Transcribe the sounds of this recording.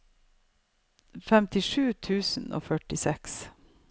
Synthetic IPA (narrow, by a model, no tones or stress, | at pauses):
fɛmt̪ɪʂʉːt̪ʰʉːsn̩o̰ːfœʈɪsɛks